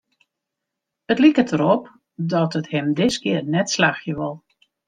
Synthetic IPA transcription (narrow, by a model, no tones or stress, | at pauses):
ətlikətʰəɾop | dɔtəthɪmdɪskɪərnɛtslaxjəʋɔlˠ